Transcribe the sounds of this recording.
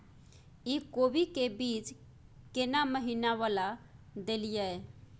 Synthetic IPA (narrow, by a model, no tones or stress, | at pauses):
ikobikebit͡ʃ | kenaməɦinaʋalad̪elijae